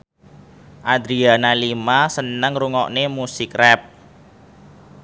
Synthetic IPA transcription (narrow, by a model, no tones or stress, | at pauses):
ʔad̪ɾianalimasənəŋruŋɔ̰ʔnemusɪkrɛp̚